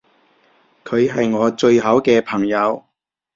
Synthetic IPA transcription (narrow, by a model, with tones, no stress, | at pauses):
kʰɵ˨˧ɥɦɐ˨jŋɔː˨˧t͡sɵ˧ɥɦɐ˨˥wkɛː˧pʰɐ˨˩ŋjɐ˨˧w